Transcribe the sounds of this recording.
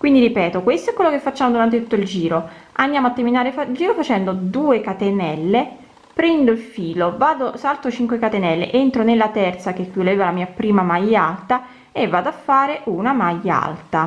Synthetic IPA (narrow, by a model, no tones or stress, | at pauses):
kwind̪iɾipɛːt̪okwest̪oɛkwelːokefːat͡ʃːaːmod̪uɾant̪̬et̪u̥t̪ːoild͡ʒiːɾoʔand̪jaːmoat̪ːeminaːɾefaild͡ʒiːɾofat͡ʃɛnd̪od̪uːekat̪enɛlːe | pɾɛnd̪oilfiːlovaːd̪osalt̪ot͡ʃiŋkwekat̪enɛlːḛʔent̪ɾonelːat̪ɛrt̪sak̟ekːulaeːvalamiːapɾiːmamajːalt̪a | evːaːd̪oafːaːɾeʔunamajːaa̰lt̪a